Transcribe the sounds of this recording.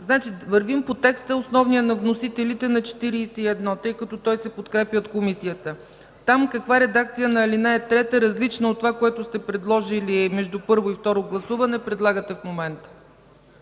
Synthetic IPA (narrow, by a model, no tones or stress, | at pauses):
znat͡ʃivɐɾvimpot̪ɛkst̪əosnɔvnijənɐvnosit̪ɛlit̪ɛnɐt͡ʃɛ̥t̪iɾiːsɛiɛd̪nɔt̪ɤjkɐt̪ɔt̪ɔjsɛpot̪kɾɛpjəot̪̚komisijət̪ə | t̪amkɐkvaɾɛd̪ak̚t̪sijənɐɛlinaɛt̪ɾɛt̪əɾɐzlit͡ʃnɐot̪ːovakoɛt̪ʊst̪ɛpɾɛd̪lˠɔʒiliɛmɛʒd̪upɤɾvoift̪ɔɾoɡlˠɐsuvɐnɛpɾɛd̪lˠaɡət̪ɛfmomɛnt̪ə̥